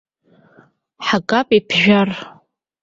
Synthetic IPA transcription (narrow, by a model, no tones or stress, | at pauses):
ħakʼapʼipʰʒᶣar